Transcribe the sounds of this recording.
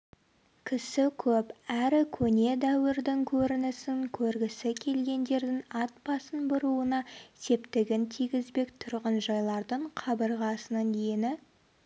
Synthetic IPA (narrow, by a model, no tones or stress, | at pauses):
kʲʰɪsɪkʲʰɵpæɾɪkʲʰɵne̞d̪æwɪɾd̪ɪŋkʲʰɵɾɪnɪsɪŋkʲʰɵɾɡʲɪsɪkʲʰe̞lɡʲe̞nd̪e̞ɾd̪ɪŋɑt̪̚bɑsənbʊɾuənɑse̞pt̪ɪɡʲɪnt̪ʰijɡʲɪzbe̞kt̪ʰʊɾʁənʒɑjlˠɑɾd̪əɴqʰɑbəɾʁɑsənənenɪ